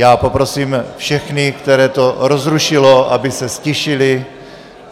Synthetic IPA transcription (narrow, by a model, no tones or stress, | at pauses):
jaːpo̞pɾo̞siːmfʃɛxnɪkt̪ɛɾɛːt̪o̞ɾozɾuʃɪloʔa̰bɪsɛscɛʃɪlɪ